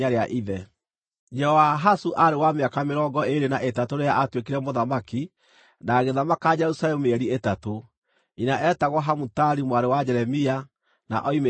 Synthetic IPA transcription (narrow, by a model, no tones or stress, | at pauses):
aɾeaʔiðɛ | d͡ʒɛhɔwaɦasuʔaɾewameakameɾɔŋɡɔeɾenaʔetatoɾeaʔatwekiɾɛmoðamaki | naɣeðamakad͡ʒɛɾusalɛmueɛɾietato | inaʔɛtaɣwɔɦamutaɾimwaɾewad͡ʒɛɾɛmia | na̰ʔɔime